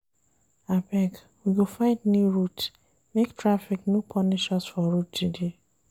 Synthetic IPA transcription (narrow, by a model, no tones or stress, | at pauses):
abɛk | wiɡofãɪ̃dnjuɹut | mektɹafiknjupʰɔniʃɔsfɔɹutːude